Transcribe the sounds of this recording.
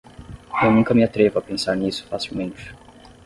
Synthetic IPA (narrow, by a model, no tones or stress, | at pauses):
ewnũkɐmiat̪ɾevuapẽsaɾnisu̥fasilmẽnt͡ʃi̥